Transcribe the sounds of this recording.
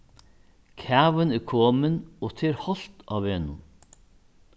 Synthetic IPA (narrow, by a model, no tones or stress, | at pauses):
kʰæːʋənɪkʰoːmənoːt̪ʰeːɾhɔlt̪ɑ̰ːʋeːnʊ̰n